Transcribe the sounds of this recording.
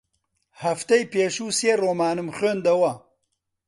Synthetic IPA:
hɐft̪ɐjpeːʃuːseːroːmaːnɨmxøːnd̪ɐwɐ

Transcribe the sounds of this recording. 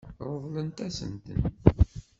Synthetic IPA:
ɾˤovlənt̪æsə̰nt̪ə̰n

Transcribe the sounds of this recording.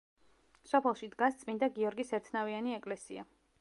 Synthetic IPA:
sɔpʰɛlˠʃid̪ɡast̪sʼmind̪aɡiɔɾɡisɛɾt̪ʰnavianiɛkʼlɛsḭa̰

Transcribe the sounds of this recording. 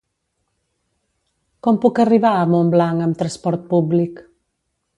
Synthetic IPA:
kɔmpukəriβaəmomblaŋəmt̪ɾəspɔɾt̪̚publik

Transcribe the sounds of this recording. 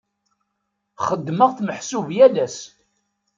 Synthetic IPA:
χəd̪ːməʁθməħsuvjælæs

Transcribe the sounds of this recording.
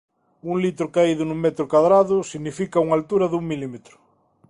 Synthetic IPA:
uŋlit̪ɾʊkaiðʊnũmet̪ɾʊkwaðɾaðʊsiɣnifikauŋalt̪uɾɐðuŋmilimet̪ɾʊ̥

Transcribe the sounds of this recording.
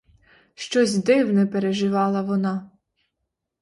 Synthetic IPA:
ʃt͡ʃɔzʲd̪ɪwnɛpeɾeʒɪʋɑlˠɐʋɔnɑ

